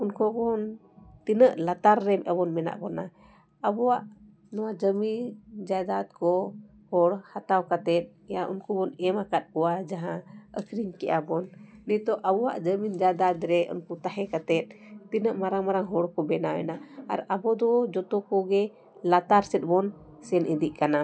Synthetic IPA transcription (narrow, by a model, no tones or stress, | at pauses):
unkɔɡɔn | t̪inəʔlat̪aɾːɛmʔɛbɔnmɛna̰ʔbɔna | əbɔwaʔ | nɔwad͡ʒəmind͡ʒad̪at̪̚kɔ | hɔɽhat̪awkat̪ɛt̪̚ˀɛjaʔṵnkubɔnɛmakat̪̚ˀɔwad͡ʒaɦãəkɾiŋkɛʔabɔnːɛt̪ɔʔabɔwa̰ʔd͡ʒəmind͡ʒad̪at̪ɾɛʔṵnkut̪aɦɛkat̪ɛt̪̚ˀt̪inəʔmaɾaŋmaɾaŋɦɔɽkɔbɛnawɛ̰naa̰ɾabɔd̪ɔd͡ʒɔt̪ɔkɔɡɛ | lat̪aɾsɛt̪̚ˀbɔn | sɛnʔid̪iʔkana